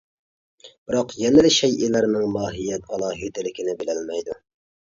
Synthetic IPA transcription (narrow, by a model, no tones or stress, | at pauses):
b̥ɨɾɑqjɛnɪlɪʃɛjʔilæɾnɪŋlɑːɦijɛt̪ʰɑlˠɑːɦit̪ɪlɪkʲɪnɪbɪlælmɛjd̪u